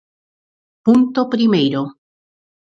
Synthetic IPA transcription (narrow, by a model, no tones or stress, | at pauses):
punt̪opɾimejɾo